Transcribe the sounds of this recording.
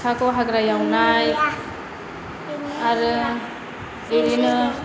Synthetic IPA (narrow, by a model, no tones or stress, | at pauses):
kʰakɔwɦaɡɾajawnaj | aɾɯ | deɾinɯ